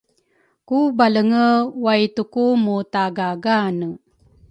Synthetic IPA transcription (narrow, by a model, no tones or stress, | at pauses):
kubaləŋəwajtukumutaɡaɡanə